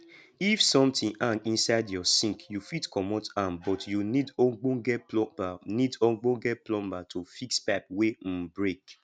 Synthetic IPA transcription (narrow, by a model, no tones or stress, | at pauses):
ifsɔ̃mtĩʔãnĩnsaɪdjɔsĩkjufitkʰɔmɔtãmbɔtjunĩdoɡ͡bõɡɛbanĩdɔɡ͡bõɡɛplɔ̃mbatʰufikspap̚wem̩bɹek